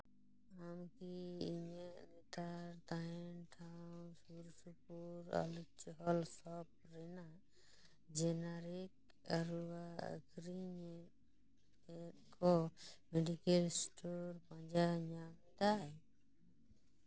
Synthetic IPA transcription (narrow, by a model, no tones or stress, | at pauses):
amkiiɲənit̪ʰaɾt̪aenʈʰãsuɾsupuɾa̰lut͡ʃɦɔlsɔp̚ | ɾɛna | d͡ʒenaɾik̚ | aɾua̰kɾiɲ | kɔmeɖikelsʈoɾpãd͡ʒaɲamĩd̪aɦɛ